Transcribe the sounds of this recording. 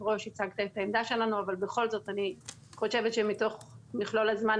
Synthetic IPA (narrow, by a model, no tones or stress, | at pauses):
ʁoʃit͡saɡt̪aet̪aemd̪aʃe̞lanuavalbe̞χo̞lzo̞tani | χo̞ʃe̞vetʃemito̞χmiχlolazman